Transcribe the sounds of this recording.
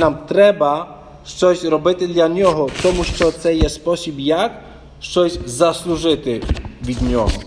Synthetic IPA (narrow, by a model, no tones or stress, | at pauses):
namt̪ɾɛba | st̪ɔʑɾɔbɘt̪ɘd̪laɲɔɦɔt̪ɔmuɕt̪ɔt̪sɛjɛspɔɕubjak | st͡sɔʑzasluʐɘt̪ɪvʲid̪ɲɔɔ̰